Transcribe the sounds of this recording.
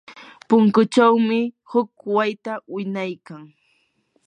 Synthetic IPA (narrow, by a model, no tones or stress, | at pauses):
pʊŋkʊt͡ʃawmɪ | hʊkwajt̪awɪnajkaŋ